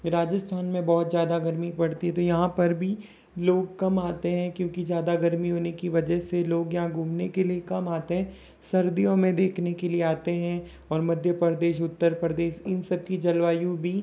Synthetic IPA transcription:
ɾaːd͡ʒəst̪ʰaːnmẽbɔːt̪zjaːd̪aɡɐɾmipɐɽt̪iɦɛ̃t̪ojɐɦãpɐɾbʱi | loːɡ̚kɐmaːt̪eɦɛ̃kjõːkizjaːd̪aɡɐɾmiɦoːnekiʋɐd͡ʒəɦseloːɡjɐɦãɡʱũːmnekeliekɐmaːt̪eɦɛ̃ː | sɐɾd̪ijõmẽd̪eːkʰnekelieaːt̪eɦɛ̃ | ɔːɾmɐd̪ʱjəpɾəd̪eːʃʊt̪ːəɾpɾəd̪eːʃɪnsɐb̚kid͡ʒɐlʋaːjũbʱi

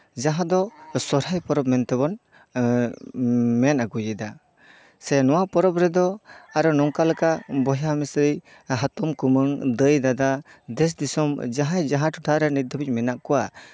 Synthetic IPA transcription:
d͡ʒaɦad̪ɔsɔɾajpɔɾɔp̚mɛnt̪ɛbɔn | mɛnaɡujɛd̪a | sɛnɔwapɔɾɔpɾɛd̪ɔaɾɔnɔŋkalɯkabɔjamisɾi | ɦat̪ɔmkumɯŋd̪əjd̪ad̪ad̪ɛs̬d̪isɔmd͡ʒaɦajd͡ʒaɦatʰuʈʰaɾɛnid̪ɔbic̚mɛnaʔkɔwa

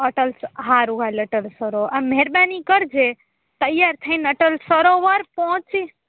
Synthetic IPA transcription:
əʈəlsɦaɾuɡʱaləʈəlsəɾoameɦɛɾbanikəɾd͡ʒe | t̪əjaɾt̪ʰəɪnəʈəlsəɾoʋaɾpɔɦɔ̃t͡ʃi

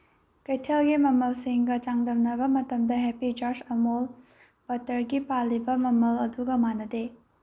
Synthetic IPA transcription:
kɐjtʰelɡimɐmɐlsiŋɡɐt͡ʃaŋdɐmnɐbɐmɐtɐmdɐɦepid͡ʒoɾd͡ʒɐmol | bɐtɐɾɡipalːibɐmɐmɐlɐduɡɐmanːɐde

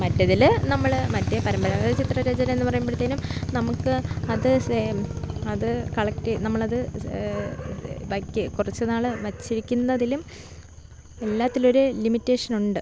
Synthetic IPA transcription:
mɐtːɐðilnɐmːɐɭmɐtːepɐɾɐmbɐɾɐɐðɨt͡ɕit̪rɐɾɐd͡ʑɐnɐme̞nːɨpɐrɐjumbɐɭt̪ːeːnumnɐmukːɨɐðɨ | ɐðɨkɐɭɐk̚tinɐmːɐɭɐðɨ | ʋɐkʲːɨkurɐt͡ɕːenaːɭɨʋɐt͡ɕːiɾikʲːunːɐðilum | elːaːt̪ːilo̞ɾulimitːe̞ːʂɐnuɳɖɨ

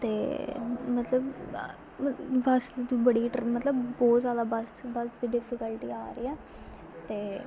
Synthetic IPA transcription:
t̪eːmət̪ləb | bəsbəɽiːʈmət̪ləbbɔːt̪saːd̪aːbəsbəsd̪iɖɪpʰɪkəlʈiːaːɾəḭːɛː | t̪eː

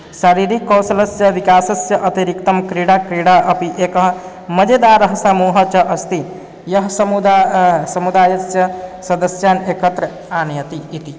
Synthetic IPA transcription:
ʃaːɾiːɾikːɐwsɐlɐsjɐʋikaːsɐsjɐʔɐt̪iɾikt̪ɐmkɾiɽakɾiɽaʔɐpiʔekɐɦ | mɐd͡ʒed̪aːɾɐɦsamuːɦɐt͡ʃɐʔɐst̪i | jɐɦsɐmud̪asɐmud̪aːjɐsjɐsɐd̪ɐsjaːneːkɐt̪ɾɐ | aːnjɐt̪iːt̪i

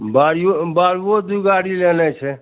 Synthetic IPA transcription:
baɾobaɾod̪uɡaɽilenɛt͡ʃʰɛ

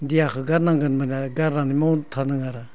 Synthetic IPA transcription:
dijakʰɯɡaɾnaŋɡɯnmanaɡaɾnanimantʰanɯŋaɾa

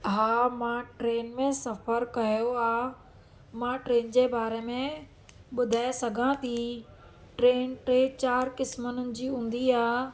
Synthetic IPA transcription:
ɦaːmãʈɾeːnmẽsɐfəɾkɐjoaː | mãːʈɾeːnd͡ʑebaːɾemẽ | ɓʊd̪ʱaːesɐɡʱãt̪ʰiː | ʈɾeːnʈɾet͡ɕaːɾkɪsmənənɪ̆d͡ʑiːɦũːn̆d̪iaː

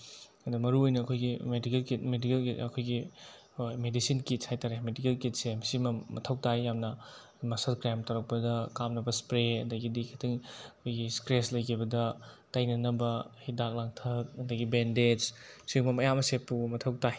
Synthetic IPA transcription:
ɐdɐmɐɾuojnɐːkʰojɡimedikelkitmedikeliɐkʰojɡi | medisinkitshajtaɾemedikelkit̚semsimɐːɐtʰɐwtajjamnɐ | masɐlkɾamtɐwɾɐk̚pɐdɐkamnɐbɐspɾeɐdɐɡidikʰitʰiŋɐkʰojɡiskɾeslɐjkʰibɐdɐtɐjnɐnɐbɐhidak̚laŋtʰɐk̚ɐdɐɡibended͡ʒsiŋmɐmɐjamɐsepumɐtʰɐw̚taj

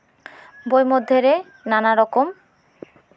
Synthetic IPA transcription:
bojmod̪ʱːeɾe | nanaɾɔkom

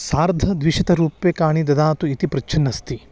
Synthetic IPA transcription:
saːɾd̪ʱɐd̪ʋiʃɐt̪ɐɾuːpːekaːɳid̪ɐd̪aːt̪uit̪ipɾɐt͡ʃʰɐnːɐst̪i

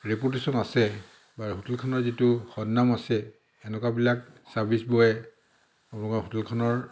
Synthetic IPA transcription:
ɹip̬utesɔnasɛ | baɹɦutulkʰɔnɔɹzituxɔdːamasɛː | nɛkwabilak̚saɹbʱisbɔjɛ | ɔnɔkɔɦutulkʰɔnɔɹ

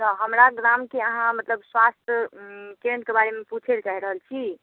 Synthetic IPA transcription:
t̪ɔɦəmɾaɡɾamkeəɦãmət̪ləbswast̪ʰəkeɾə̃ɳʈkebaɾemeput͡ʃʰelt͡ʃaɦiɾəɦəlt͡ʃʰi

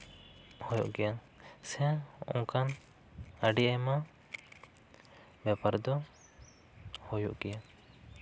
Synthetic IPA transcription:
hɔjɔʔɡɛja | sɛ̃ɔ̰̃ŋkan | əɖiʔama | bapaɾd̪ɔ | hujɔʔɡɛja

